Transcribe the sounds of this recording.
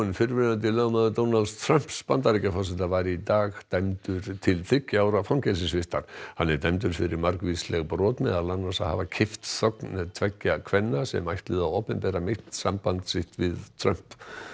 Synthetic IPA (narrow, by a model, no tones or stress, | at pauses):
nfɪɾvɪnant̪̬ɪlœːɣmaðʏɾd̪ownald̪̥st̪ʰɾœm̥pspant̪aɾicafɔs̬ɛt̪avajɾɪit̪aːɣt̪ajmt̪ʏɾ̥t̪ʰɪlθʏcːaːwɾafawmcɛls̬ɪsvɪst̪aɾ̥hanːɛɾt̪ajmt̪̬ʏɾ̥fɪɾɪɾmaɾkvislɛɣpɾɔːt̪mɛðalanːasaha̰vacʰɪft̪sɔknɛt̪ʰvɛcːakʰvɛnːasɛ̰majht̪lɪðaowpɛmpɛːɾamɪht̪sampant̪sɪht̪vɪðt̪ʰɾœm̥p